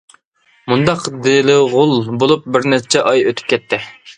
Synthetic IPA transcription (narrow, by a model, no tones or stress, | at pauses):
mund̪ɑqd̪elɪʁʊlˠbolˠup̚bɪɾnɛt͡ʃʰɛʔɑjøt̪ʰy̥p̚kʲʰɛt̪ʰːɪ